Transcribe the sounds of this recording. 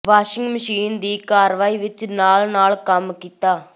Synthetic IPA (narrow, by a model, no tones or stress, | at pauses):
ʋaːʃɪ̃ŋɡməʃiːnd̪iːkaːɾʋaːiːʋɪt͡ʃnaːlnaːlkəmkiːt̪aː